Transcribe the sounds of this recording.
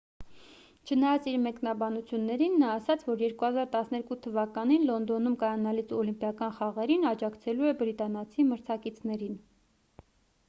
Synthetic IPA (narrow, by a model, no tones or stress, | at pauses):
t͡ʃʰənɑjɑt͡siɾmɛknɑbɑnut͡sʰjunːɛɾinːɑːsɑt͡sʰvɔɾjɛɾkuhɑzɑɾt̪ɑsnɛɾkut̪ʰəvɑkɑninlɔnd̪ɔnumkɑjɑnɑlit͡sʰɔlimpjɑkɑnχɑʁɛɾinɑd͡ʒɑkʰt͡sʰɛluɛbɾit̪ɑnɑt͡sʰiməɾt͡sʰɑkit͡sʰnɛɾin